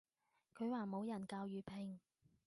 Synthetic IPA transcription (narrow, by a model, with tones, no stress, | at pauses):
kʰɵ˨˧ɥwaː˨˩mo˨˧wjɐ˨˩nkaː˧wjyː˨˧pʰɪ˨˧ŋ